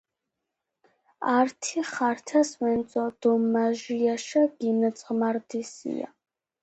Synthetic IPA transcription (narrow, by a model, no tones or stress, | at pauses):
aɾt̪ʰiχaɾt̪ʰasvɛnsʼɔd̪̥ɔmːaʒiaʃaɡ̥inɛt̪sʼʁmaɾd̪isḭa̰